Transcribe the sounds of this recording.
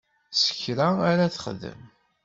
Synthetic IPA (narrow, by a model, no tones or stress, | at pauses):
sə̥çɾaæɾæθχə̰ðə̰m